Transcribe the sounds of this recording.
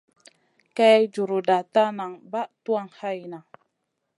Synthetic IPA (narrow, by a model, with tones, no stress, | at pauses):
ka˦d͡ʒu˨ɾu˨da˨ta˦na˨ŋba˦tu˦a˦ŋha˦jna˨